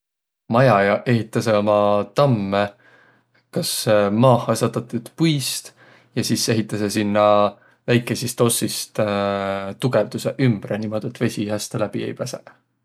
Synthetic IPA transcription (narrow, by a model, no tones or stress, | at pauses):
mɑjɑjɑʔe̞ɦit̪ˑːɑseo̞mɑt̪ɑmːe | kɑsmɑːhˑɑsɑt̪ːɑt̪ːud̪̥pujst̪ | jɑsiːse̞ɦit̪ːˑɑse̞sinːɑ | væjkˑːe̞sist̪o̞sːist̪ | t̪uɡ̥e̞vd̪̥useʔymb̥ɾenimo̞d̪̥e̞t̪ːˑve̞sʲiɦest̪læb̥iḛjpæse